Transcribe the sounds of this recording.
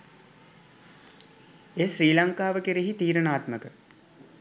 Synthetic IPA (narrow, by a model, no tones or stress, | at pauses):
eːʃriːlaŋkaːʋəkeɾeɦit̪iːɾənaːt̪məkə